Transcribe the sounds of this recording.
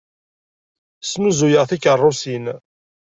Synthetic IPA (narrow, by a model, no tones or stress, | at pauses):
snuzujəʁθikərˤːʊsin